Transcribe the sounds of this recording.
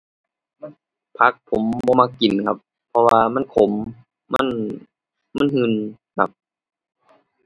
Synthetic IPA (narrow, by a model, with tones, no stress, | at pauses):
ma˥˨ | pʰa˦˥k̚pʰo˨˩˦mbɔː˧maː˧ki˨˩nkʰa˧˥pʰːɔ˧waː˧ma˧˥˨nkʰo˩˦mː | a̰˧˥˨n | ma˧˥˨nhɯ˧˩n | kʰa̰˦˥p̚